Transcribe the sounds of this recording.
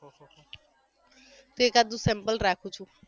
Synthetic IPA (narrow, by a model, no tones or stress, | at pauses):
t̪uekad̪usɛmpəlɾaːkʰut͡ʃʰu